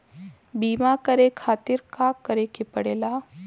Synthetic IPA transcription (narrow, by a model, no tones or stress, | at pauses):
biːmakɐɾekʰaːt̪ɪɾkaːkːɐɾekɪpɐɽeːlaː